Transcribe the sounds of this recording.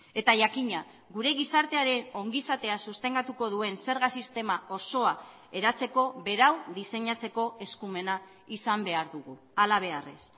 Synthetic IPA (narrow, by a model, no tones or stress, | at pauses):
e̞t̪aʝakiɲa | ɡuɾe̞ɣisaɾt̪eaɾe̞no̞ŋɡisat̪e̞asust̪e̞ŋɡat̪uko̞ðue̞nse̞ɾɣasist̪e̞mao̞so̞a | e̞ɾat͡se̞ko̞βe̞ɾawðise̞ɲat͡se̞ko̞e̞skume̞na | isambe̞aɾðuɣu | alaβ̞e̞arḛs